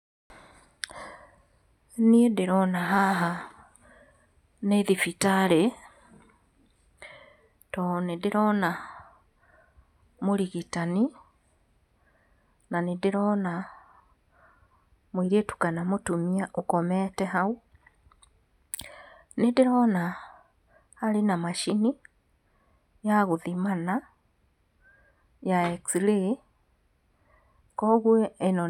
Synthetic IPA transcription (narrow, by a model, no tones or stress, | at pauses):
niedɪɾɔnaɦaɦa | neðifitale | tonedɪɾɔːna | moɾiɣitani | nanidɪɾɔːna | mwiɾetu̥kanamotumiaʔokɔmɛtɛɦau | nedeɾɔːna | alenamaʃini | jaɣoðimana | jaeksile | kɔɣweenɔ